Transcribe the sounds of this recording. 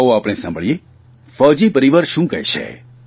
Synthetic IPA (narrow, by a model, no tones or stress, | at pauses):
oaːpɽ̃esã̰mbʱəɭije | fəd͡ʒipəɾiʋəɾʃũkəɦjt͡ʃʰḛ